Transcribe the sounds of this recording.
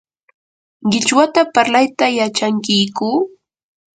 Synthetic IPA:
ɢɪt͡ʃwat̪apaɾlajt̪ajat͡ʃaŋkɪjkuː

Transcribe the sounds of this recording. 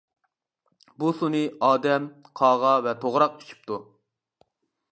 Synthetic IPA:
busunɨɑːd̪ɛmqʰɑːʁɑvɛt̪ʰoʁɾɑqi̥t͡ʃʰi̥p̚t̪ʰu

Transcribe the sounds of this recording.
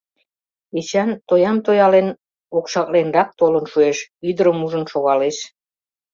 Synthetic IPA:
et͡ɕænt̪ojɑmt̪ojɑlen | okʃɑk̚lenrɑk̚t̪olənʃueʃyd̪əɾəmuʒənʃoɣɑleʃ

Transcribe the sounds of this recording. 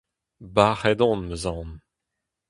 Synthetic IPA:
baʁɛd̪ɔ̃nməzɑ̃n

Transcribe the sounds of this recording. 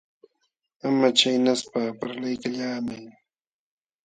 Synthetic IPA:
amat͡ʃajnaspapaɾlajkaʎaːmaj

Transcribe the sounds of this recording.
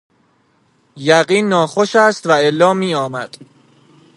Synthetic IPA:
jæɢiːnːɒːxoʃæst̪væelːɒːmiːɒːmæd̪̥

